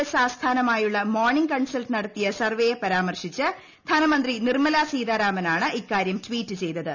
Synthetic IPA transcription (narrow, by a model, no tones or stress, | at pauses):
saːsd̪ʰʱaːnɐmaːjuɭːɐmo̞ːrɳiŋɡkɐɳsɐlʈɨnɐɽɐt̪ːijɐsɐrʋejepɐɾaːmɐrʂit͡ɕːɨ | d̪ʱanɐmɐnd̪rinirmɐlaːsiːðaːɾaːmɐnaːɳɨʔikːaːɾjɐmtʋiːtːɨt͡ɕe̞jt̪ɐðɨ